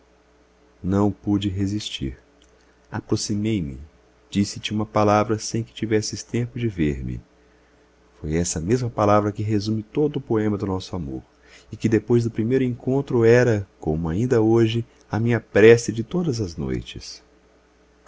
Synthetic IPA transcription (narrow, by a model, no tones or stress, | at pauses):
nɐ̃w̃pud͡ʒɪɦezist͡ʃḭɾ | apɾosimejmɪ | d͡ʒisɪt͡ʃɪũmɐpalavɾɐsẽj̃kɪ̥t͡ʃivɛsɪst̪ẽpʊd͡ʒɪveɾmɪ̰ | fojɛsɐmezmɐpalavɾɐkɪɦezũmɪt̪od̪ʊːpoẽmɐd̪ʊnɔsʊamo̰ɾ | ɪkɪd̪epojzd̪ʊpɾimejɾʊẽŋkõnt̪ɾʊɛɾɐkõmʊaĩnd̪ɐoʒɪ | ɐmĩɲɐpɾɛsɪd͡ʒɪt̪od̪ɐzɐzno̰jt͡ʃɪ̰s